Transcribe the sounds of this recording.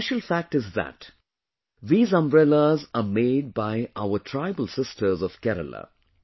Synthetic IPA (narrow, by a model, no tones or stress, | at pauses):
ɛʃəlfæk̚ʈɪzðæ̰ʈ | ðiːzʌ̃mbɾɛləzameːɖ̚baɪʔaʊəʈʰɾaɪbəlsɪsʈʰəzɔʋ̥kɛɾə̰lə̰